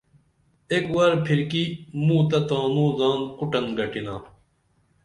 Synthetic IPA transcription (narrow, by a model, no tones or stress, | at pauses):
eːkwaːɾpʰiɾkimũːt̪̬ɐt̪ãːnũːzaːnkuʈɐnɡɐʈinaː